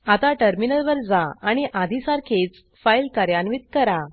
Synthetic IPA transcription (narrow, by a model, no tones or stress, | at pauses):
at̪aʈəɾminəlʋəɾd͡zaaɽ̃iʔad̪ʱisaɾkʰet͡s | fajlkaɾjanʋit̪̚kəɾa